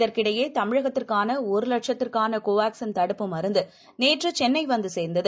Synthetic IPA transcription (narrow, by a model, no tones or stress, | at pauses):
ɪðɐrkɪɽɐjeːt̪ɐmɪɻɐɣɐt̪ːɪrkaːnɐɔɾɯlɐʈʂɐt̪ːɪrkaːnɐkoːʋaːksɐnt̪ɐɽɯpːɯmɐɾɯnd̪ɯ | neːʈrɯt͡ʃɛnːɐɪʋɐnd̪ɯseːɾnd̪ɐðɯ